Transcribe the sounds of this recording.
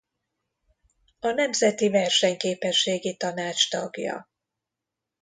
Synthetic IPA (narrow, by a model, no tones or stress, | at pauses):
ɒnɛmzɛt̪ivɛrʃɛɲkeːpɛʃːeːɡit̪ɒnaːt͡ʃt̪ɒɡjɒ̰